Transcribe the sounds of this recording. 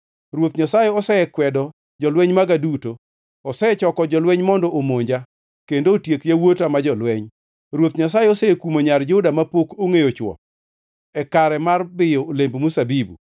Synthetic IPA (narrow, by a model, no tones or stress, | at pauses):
ɾwot̪ɲasajeɔsɛɛkwɛdɔ | d͡ʒɔlwɛɲmaɡaduto | ɔsɛɛt͡ʃɔkɔd͡ʒɔlweɲmɔndɔʔomoɲd͡ʒa | kendoːtjekjawotamad͡ʒɔlwɛɲ | ɾwot̪̚ɲasajeɔsɛekumoɲard͡ʒʊdamapokoŋejot͡ʃwɔ̰ | ɛkaɾɛmarbɪjɔolembmusabibṵ